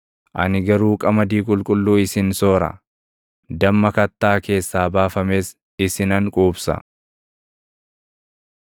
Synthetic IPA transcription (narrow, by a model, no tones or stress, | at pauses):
ʔɐ̰nɪɡɐɾuːkʼɐmɐd̪iːkʼʊlkʼʊlːuːɪsɪnso̞ːɾɐ̰ | d̪ɐmːɐkɐt̪ːaːke̞ːsːaːbaːfɐme̞ːs | ɪsɪnɐŋkʼuːbsɐ̰